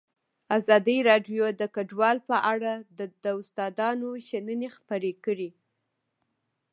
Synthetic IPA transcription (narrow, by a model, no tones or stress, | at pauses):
azɑd̪iɾɑɖjod̪əkaɖwɑlpəʔaɽad̪əd̪əʊst̪ɑd̪ɑnoʃanənexpəɾekəɽi